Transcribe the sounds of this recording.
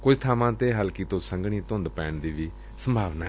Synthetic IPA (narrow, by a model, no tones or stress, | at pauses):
kʊd͡ʒt̪ʰaːmãːt̪eːɦəlkiːt̪õːsəŋɡɳ̃iːt̪ʊ̃nd̪pɛːɳd̪iːʋiː | səmbʱaːʋnaː